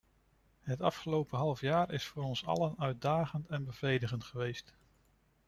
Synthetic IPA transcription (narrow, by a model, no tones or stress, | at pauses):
ɦətɑfχəlowpəɦɑlˠəfjaːɹɪsfʊːɾɔnsɑ̰lənœɥt̚daːχəntɛnbəv̥rejdəχəntχəʋejst